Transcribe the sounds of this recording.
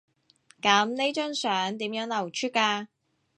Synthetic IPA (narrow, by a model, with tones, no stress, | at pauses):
kɐ˨˥mne˥jt͡ʃœː˥ŋsœː˨˥ŋt̪iː˨˥mjœː˨˥ŋlɐ˨˩wt͡ʃʰyː˥t̚kaː˧